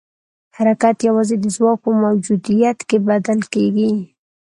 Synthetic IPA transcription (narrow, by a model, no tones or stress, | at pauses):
haɾakat̪jawɑzed̪əzwɑk̚pəmawd͡ʒud̪ijat̪kebad̪alkeɡi